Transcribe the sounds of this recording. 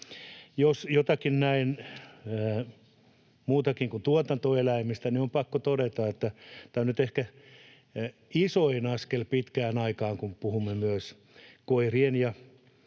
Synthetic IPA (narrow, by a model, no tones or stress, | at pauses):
josjot̪ɑkinnæinæː | muːt̪ɑkiŋkunt̪uot̪ɑnt̪oelæimist̪æniompɑkːot̪odet̪ɑet̪ːæt̪æːonyt̪ehkæ | isoinɑskelpit̪kæːnɑikɑːŋkumpuhumːemyæs | koirienjɑ